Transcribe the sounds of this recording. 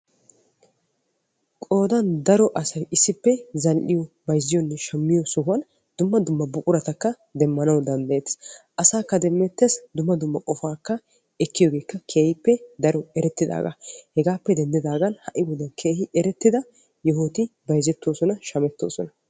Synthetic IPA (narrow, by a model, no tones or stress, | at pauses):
kʼo̞ːd̪ɐnd̪ɐɾɔʔɐsɐjɪsːɪpːɛzɐlʔɪjɔ | bɐjzːɪjɔnːɛʃɐmːɪjɔsʊhʊwɐn | d̪̥ʊmːɐd̪ʊmːɐbʊkʼʊɾɐt̪ɐkːɐ | d̪ɛmːɐnɐwd̪ɐnd̪ɐjeːt̪ʔɐsaːkːɐd̪ɛmːɛt̪ːesd̪ʊmːɐd̪ʊmːɐkʼɔfaːkːɐ | ɛkːɪjɔɡe̞ːkːɐkʰeːhɪpːɛd̪ɐɾɔɛɾɛt̪ːɪd̪a̰ːɡɐ̰hɛɡaːpːɛd̪ɛnd̪ɪd̪aːɡɐnhɐʔɪbɔd̪ɐnkʰeːhɪʔɛɾɛt̪ːɪd̪ɐ | jɛɦoːt̪ɪbɐjzɛt̪ːoːsɔnɐʃɐmɛt̪ːo̰ːsɔnɐ